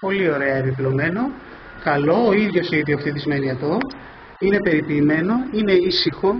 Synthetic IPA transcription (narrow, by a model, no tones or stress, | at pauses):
po̞lio̞ɾe̞ɐeviplo̞me̞no̞ | kɐlo̞ːiðʝo̞siðioft̪iðizme̞niɐt̪o̞ | ine̞pe̞ɾipiːme̞no̞ine̞isixo̞